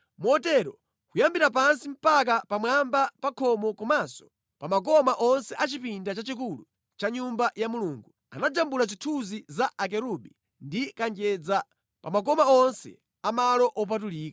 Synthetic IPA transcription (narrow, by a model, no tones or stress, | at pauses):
mɔtɛɾɔ | kujambiɾap̬ansim̩pak̬apamwambapakʰɔmɔkɔmasɔ̥ | pamak̬ɔmaʔɔnsɛʔat͡ʃipindat͡ʃat͡ʃik̬ulu | t͡ʃaɲumbajamuluːŋɡu | anad͡ʒambulazitʰuzizaʔak̬ɛɾuɓi | ndikand͡ʒɛd͡za | pamak̬ɔmaɔnsɛ̰ | amalɔʔɔp̬atuliːka